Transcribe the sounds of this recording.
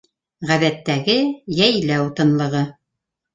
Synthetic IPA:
ʁæðæt̪ːæɡɘjæjlæut̪ɤ̆nlˠɤ̆ʁɤ

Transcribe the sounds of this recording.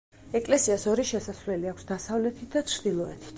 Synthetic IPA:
ɛkʼlɛsiasɔɾiʃɛsasvlɛliakʷʰsd̪asavlɛt̪ʰit̪̚ʰd̪at͡ʃʰɾd̪ilˠɔɛ̰t̪ʰi̥t̪ʰ

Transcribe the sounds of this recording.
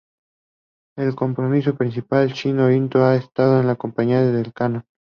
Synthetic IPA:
elko̞mpɾomiso̞pɾinsipalt͡ʃinoɾint̪oaest̪að̞oenlakompaɲiaðeðe̞lkano

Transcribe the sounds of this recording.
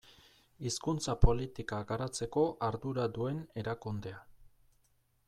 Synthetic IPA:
iskunt͡sapo̞lit̪ikaɡaɾat͡se̞ko̞ʔaɾðuɾad̪ue̞ne̞ɾakund̪e̞a

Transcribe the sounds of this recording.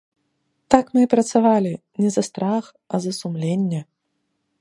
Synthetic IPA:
t̪akmɨpɾɐt̪savalʲi | nʲɛzɐst̪ɾax | ɐzɐsumlʲenʲːɛ

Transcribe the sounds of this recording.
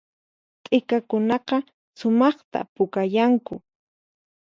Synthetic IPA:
t̪ʼɪkakʊnɑqɑ | sʊmɑχt̪a̰pʊkajaŋkʊ

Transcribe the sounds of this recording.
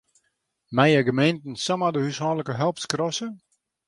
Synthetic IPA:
mɛjəɡəmejntn̩samadəhyshɔːləkəɦɛlˠp̚skrɔsə

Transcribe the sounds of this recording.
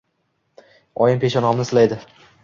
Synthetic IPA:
ɒjɪnpʰeʃɒnɒmnɪsɪlajd̪ɪ

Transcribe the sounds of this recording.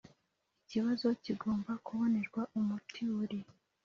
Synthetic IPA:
iciβazo̞ciɡo̞ːmbakuβo̞ne̞ɾɡwaʔumutʰuɾi

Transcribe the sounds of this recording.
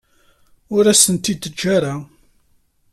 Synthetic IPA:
ʊɾæsənt̪id̪əd͡ʒːaɾa

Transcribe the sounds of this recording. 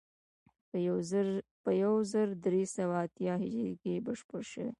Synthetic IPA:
pəjawzəɾd̪ɾesawaːt̪jɑɦɪd͡ʒekebaʃpʊɾʃəwḛ

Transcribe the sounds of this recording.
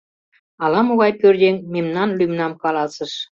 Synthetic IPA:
ɑlɑmoɣɑjpørd̪ʲeŋmemnɑnlymnɑmkɑlɑsəʃ

